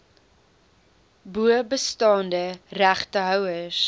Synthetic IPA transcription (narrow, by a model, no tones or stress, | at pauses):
buəbəstɑːndəræχtəɦœwəs